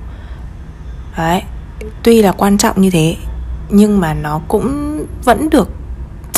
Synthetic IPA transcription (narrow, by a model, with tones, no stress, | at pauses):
ʔaː˨˦jt̪wi˧laː˨˩kwaː˧nt͡ɕɔ̰˧˨wŋ͡mɲɨ˧t̪ʰe˨˦ɲɨ˧ŋmaː˨˩nɔ˨˦kʊ̰˧˥ŋ͡mvə̰˧˥nɗɨ˨˩ək̚